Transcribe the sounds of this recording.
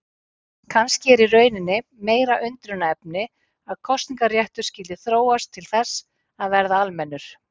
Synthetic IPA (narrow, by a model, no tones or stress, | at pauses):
kʰanscɪɛɾirœːɥnɪnːɪmeːjɾaʔʏnt̪ɾʏnːaɛp̚nɪ | aðkʰɔst̪niŋkarjɛht̪ʏ̥scɪlt̪ɪθɾoːwast̪ʰːɪlθɛsː | aðvɛɾðaalmɛnːʏɾ̥